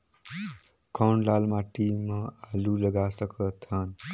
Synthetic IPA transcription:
kawɳɖlalmaʈimːʌalulʌɡasʌkʌt̪ʰʌn

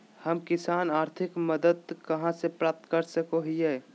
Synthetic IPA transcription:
həmkɪsaːnaːɾt̪ʰɪkməd̪əd̪kəɦãsepɾaːp̚t̪kəɾsəkoɦie

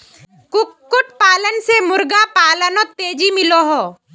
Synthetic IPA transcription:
kʊkʊʈpaːlənsemʊɾɡapaːlənot̪ːeːd͡ʒimɪloɦoː

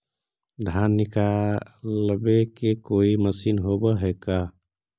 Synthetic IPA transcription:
d̪ʱanːikaləbekekoiməsinɦobəɦeka

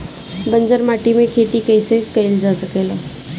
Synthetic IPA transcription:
bəɲd͡ʒəɾmaːʈimẽkʰeːt̪ikəɪsekəjld͡ʒasəkeːlaː

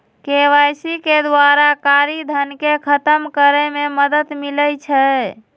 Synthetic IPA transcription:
keʋajsiked̪waɾakaɾid̪ʱənkekʰət̪əmkəɾəmeməd̪ət̪miləjt͡ʃʰə

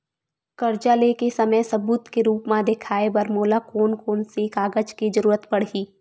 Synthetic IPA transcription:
kɐɾd͡ʒalekesɐməjsɐbuːt̪keɾuːpmãd̪ekʰaːebɐɾmoːlakoːnkoːnsekaːɡəd͡ʒkid͡ʒɐɾuːɾət̪pɐɽ̤iː

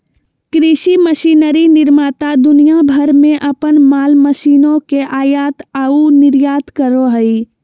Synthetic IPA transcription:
kɾiʃiməʃinəɾinɪɾmaːt̪ad̪ʊnijabʱəɾmẽʔəpənmaːlməʃiːnõkeʔaːjaːt̪aunɪɾjaːt̪kəɾoɦəi

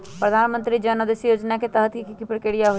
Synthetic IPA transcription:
pɾəd̪ʱaːnmə̃nt̪ɾid͡ʒənəd̪esjoːd͡ʒnaket̪əɦət̪kikikɪpɽkeːɽijaɦo

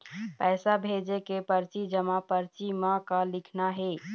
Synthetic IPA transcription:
pɛːsabʱed͡ʒekepəɾt͡ʃid͡ʒəmapəɾt͡ʃimakalikʰnaɦe

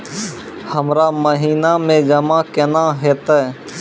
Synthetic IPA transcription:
həmɾaːməɦiːnamẽd͡ʒəmãːkɛnaːɦɛːt̪aɛ

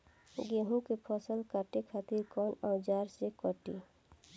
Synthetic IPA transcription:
ɡeɦũkepʰɔsəlkʰaːʈekʰaːt̪iɾkɔnãːd͡ʒaːɾsekəʈi

